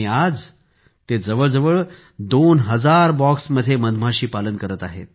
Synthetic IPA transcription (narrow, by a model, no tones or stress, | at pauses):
iad͡z | t̪ed͡zəʋəɭd͡zəʋəɭ | d̪onɦəd͡zaɾbɔksməd̪ʱjeməd̪ʱm̤aɕiːpalənkəɾət̪aɦḛt̪̚